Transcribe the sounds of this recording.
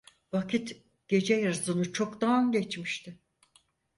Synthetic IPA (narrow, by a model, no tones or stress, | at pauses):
vakʰit̪ | ɟ̥e̞d͡ʒɛjaɾzɯnɯt͡ʃʰo̞kd̪anɟet͡ʃmiʃt̪ʰɪ